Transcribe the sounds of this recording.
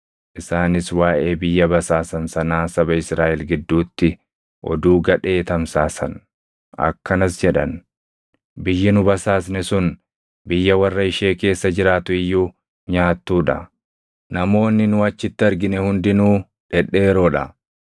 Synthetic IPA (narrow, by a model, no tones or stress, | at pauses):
ʔɪsaːnɪswaːʔe̞ːbɪjːɐbɐsaːsɐnsɐnaːsɐbɐɪsɾaːʔɛlɡɪd̪ːuːt̪ːɪ | ʔɔ̰d̪uːɡɐᶑe̞ːt̪ɐmsaːsɐn | ɐ̰kːɐnɐsd͡ʒɛᶑɐn | bɪjːɪnʊbɐsaːsnɛsʊn | bɪjːɐwɐrːɐɪʃe̞ːke̞ːsːɐd͡ʒɪɾaːt̪ʊɪjːuː | ɲaːt̪ːuːᶑɐ | nɐmo̞ːnːɪnʊɐt͡ʃːɪt̪ːɪɐɾɡɪnɛhʊnd̪ɪnuː | ᶑɛᶑːeːɾo̞ːᶑɐ̰